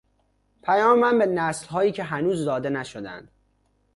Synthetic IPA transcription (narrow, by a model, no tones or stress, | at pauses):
pʰæjɒːmemænbenæslɦɒːjiːcʰe̞ɦænuːzd̪ɒːd̪e̞næʃod̪æ̰nd̪̥